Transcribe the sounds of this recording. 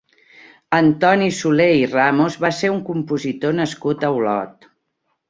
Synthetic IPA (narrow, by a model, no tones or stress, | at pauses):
ənt̪ɔnisuleiramozβaseɾuŋkumpuzit̪onəskut̪əwlɔ̰t̪